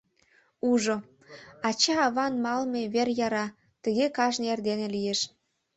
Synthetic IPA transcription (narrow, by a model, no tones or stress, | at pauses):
uʒo | ɑt͡ɕɑːβɑnmɑlmeβerjɑɾɑ | t̪ə̆ɣekɑʒnerd̪enelijeʃ